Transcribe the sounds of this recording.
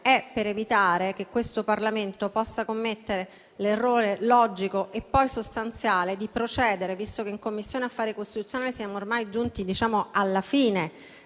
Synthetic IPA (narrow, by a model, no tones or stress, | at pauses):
ɛpːeɾevit̪aːɾek̟ekːwest̪oparlament̪opɔsːakomːet̪ːeɾe | lerːoːɾelɔd͡ʒikoʔepːɔjsost̪ant̪sjaːled̪ipɾot͡ʃɛːd̪eɾevist̪okeiŋkomːisːjoːneafːaːɾekost̪it̪ut̪sːjonaːlesijaːmoːrmajd͡ʒunt̪id̪it͡ʃaːmoalːafiːne